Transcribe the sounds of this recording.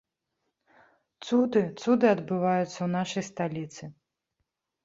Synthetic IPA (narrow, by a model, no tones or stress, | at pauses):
t̪sud̪ɨt̪sud̪ɨɐd̪bɨvajut̪sːɐwnaʂɐjst̪alʲit̪sɨ